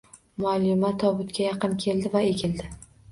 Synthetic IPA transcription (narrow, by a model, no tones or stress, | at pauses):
mʊalːɪmat̪ʰɒbʊt̪kʲʰajɑqɨnkʲʰe̞ld̪ɪvae̞kʲʰɪld̪ɪ